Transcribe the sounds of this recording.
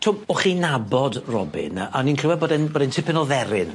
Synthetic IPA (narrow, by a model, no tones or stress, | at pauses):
tʰʊmɔχinabɔdrɔ̰bɪ̰naninkʰrɪwɛbɔːdɛnbɔːdɛntʰɪpʰɛnɔðɛɾɪn